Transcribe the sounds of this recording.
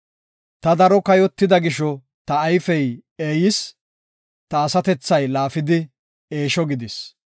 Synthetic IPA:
t̪ɐd̪ɐɾɔkɐjɔt̪ːɪd̪ɐɡɪʃɔ | t̪ɐːjfɛjeːjɪs | t̪ɐːsɐt̪ɛt͡sːɐjlaːfɪd̪ɪ | eːʃɔɡɪd̪ɪs

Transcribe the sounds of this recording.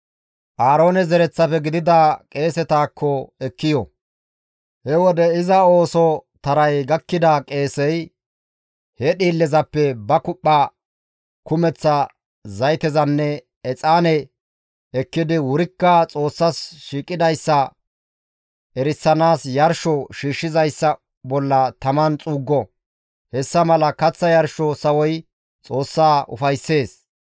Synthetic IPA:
ʔaːɾo̞ːnɛzɛɾɛt͡sːɐfɛɡɪd̪ɪd̪akʼe̞ːsɛt̪aːkʰːɔɛkːɪjɔ | hɛwɔd̪ɛɪzɐo̞ːsɔt̪ɐɾɐjɡɐkːɪd̪ɐkʼe̞ːsɛj | hɛɗiːlːɛzɐpːɛbɐkʊpʼːa | kʊmɛt͡sːɐ | zɐjt̪ɛzɐnːɛ | ɛt͡sʼaːnɛ | ɛkːɪd̪ɪwʊɾɪkːɐt͡sʼo̞ːsːɐsʃiːkʼːɪd̪ɐjsːɐ | ʔɛɾɪsːɐnaːsjɐɾʃɔʃiːʃːɪzɐjsːɐ | bɔlːɐt̪ɐmɐnt͡sʼuːɡːɔ | hɛsːɐmɐlɐkɐt͡sːɐjɐɾʃɔsɐwɔj | t͡sʼo̞ːsːaːʔʊ̰fɐjsːe̞ːs

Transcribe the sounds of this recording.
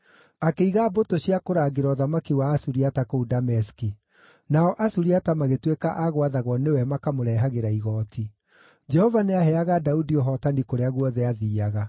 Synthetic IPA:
akeiɣabotoɕiakoɾaːɡeɾɔðamakiwaːsuɾiatakoudamɛski | naɔʔasuɾiatamaɣetwekaʔaɣwaðaɣwɔnewɛmakamoɾɛɦaɣeɾaiɣɔːtʰi | d͡ʒɛhɔvaneaɦɛaɣadaudiɔɦɔtanikoɾeaɣwɔðɛaðiːaɣa

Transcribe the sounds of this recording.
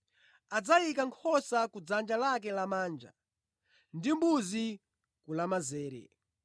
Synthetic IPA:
ad͡zajikaŋkʰɔsakud͡zand͡ʒalak̬ɛlamaːnd͡ʒa̰ | ndimbuzi | kulamazɛːɾɛ̰

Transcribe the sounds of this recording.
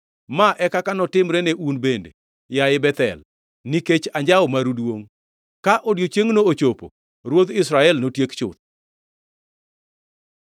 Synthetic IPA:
maʔɛkakanɔtɪmɾɛneʔunbendḛ | jaɪbɛt̪ɛ̰l | niket͡ʃaɲd͡ʒaɔmaɾudwoŋ | kaʔodjot͡ʃeŋnoot͡ʃopo̰ | ɾwot̪ɪsɾaɛlnotjekt͡ʃʊ̰t̪̚

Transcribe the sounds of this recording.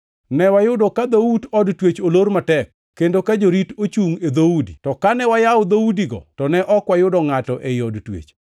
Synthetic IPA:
nɛwajʊdɔkad̪outɔdtwet͡ʃolormatɛkːendokad͡ʒoɾitot͡ʃuŋed̪oudḭtɔkanɛwajaʊd̪oudiɡɔ̰tɔnɛʔɔkwajʊdɔŋatɔʔejɔdtwḛt͡ʃ

